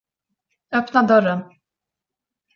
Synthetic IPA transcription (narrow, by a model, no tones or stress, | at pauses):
œpnad̪œɾən